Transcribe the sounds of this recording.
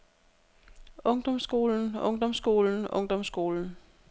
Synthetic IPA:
ɔ̽ŋd̥ɒ̽msɡ̥o̝̰ːln̩ɔ̽ŋd̥ɒ̽msɡ̥o̝̰ːln̩ɔ̽ŋd̥ɒ̽msɡ̥o̝̰ːln̩

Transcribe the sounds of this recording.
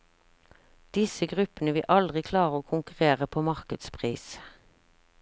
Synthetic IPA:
d̪̥ɪsəɡʁʉpənəʋɪʔɑld̪ʁɪkʰlɑːʁəoːkʰʊŋkʉʁeːʁəpʰoːmɑʁkəd̪spʰʁiːs

